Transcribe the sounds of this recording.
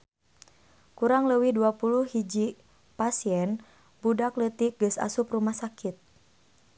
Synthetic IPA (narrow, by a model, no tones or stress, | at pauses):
kuɾaŋləwihduapuluhhid͡ʒi | pasiɛn | budaklət̪iɡəsa̰suprumahsakit̪̚